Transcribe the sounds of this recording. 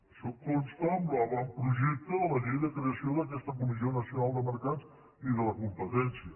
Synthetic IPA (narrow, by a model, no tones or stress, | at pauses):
sokkonst̪amblaβampɾuʒɛk̚t̪əðələʎejðəkɾeəsioðəkɛst̪əkumizionəsiunalˠd̪əməɾkat͡s | iðələkumpət̪ɛnsiə